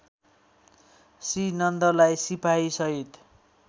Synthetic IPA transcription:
sinʌnd̪ʌlajsipʰajsʌɦit̪

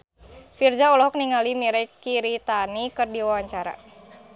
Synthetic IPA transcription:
fird͡ʒaɔlɔɦɔk̚niŋalimiɾɛkiɾit̪anikɨrdiwawaɲt͡ʃaɾa̰

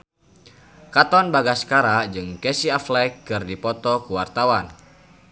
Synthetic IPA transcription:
kat̪ɔnbaɡaskaɾad͡ʒɨŋkɛsiaflɛkːɨrdipɔt̪ɔkuwart̪awan

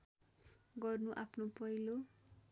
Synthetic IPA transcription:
ɡʌrnuʔapʰnopʌɦilo

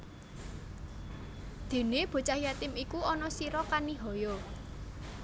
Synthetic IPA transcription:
d̪̥e̤neb̥o̤t͡ʃahjat̪ɪmikuɔnɔsiɾɔkaniɦɔjɔ

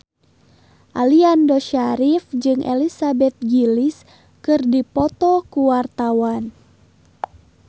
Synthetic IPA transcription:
ʔaliandɔʃaɾifd͡ʒɨŋʔḛlisabɛt̪̚ɡilis | kɨrdipɔt̪ɔkuwart̪awan

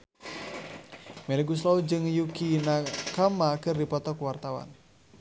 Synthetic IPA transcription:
mɛleɡus̬lɔud͡ʒɨŋjukinakamakɨrdipɔt̪ɔkuwart̪awa̰n

